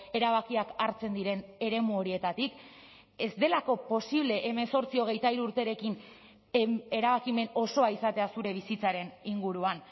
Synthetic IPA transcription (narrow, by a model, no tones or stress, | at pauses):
e̞ɾaβakiakaɾt͡se̞nd̪iɾe̞ne̞ɾe̞muo̞ɾie̞t̪at̪ik | e̞zd̪e̞lako̞po̞siβ̞le̞ʔːme̞so̞ɾt͡sio̞ɣ̞e̞jt̪aiɾuɾt̪e̞ɾe̞kin | eɾaβ̞akime̞no̞so̞aisat̪e̞asuɾe̞β̞isit͡saɾe̞niŋɡuɾuan